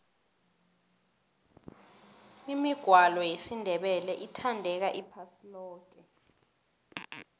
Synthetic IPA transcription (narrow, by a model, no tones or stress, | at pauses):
imiɡ̥ʱwalɔjesindʱɛɓɛlɛʔitʰandʱɛk̬aʔipʰasilɔːk̬ʼɛ